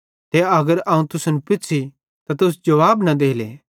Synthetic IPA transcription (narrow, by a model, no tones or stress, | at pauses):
t̪ɛɐɡəɾɐːũt̪ʊsnpɪtːsʰi | t̪at̪ʊs̬d͡ʒɐʋaːbnɐd̪eːleː